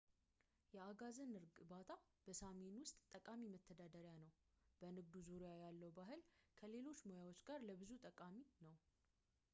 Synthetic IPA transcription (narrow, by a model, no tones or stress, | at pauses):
jɛaɡazənɨɾɡbat̪ʰa | b̥əsamenwʊst̪ʼt̪ʼːəkʼamimət̪ʰːəd̪ad̪əɾjanəw | b̥ənɨɡd̪uzuɾjajalːəwbaɦɨlkʰəle̞lo̞t͡ʃːmojawot͡ʃːɡaɾləbɨzut̪ʼəkʼaminəw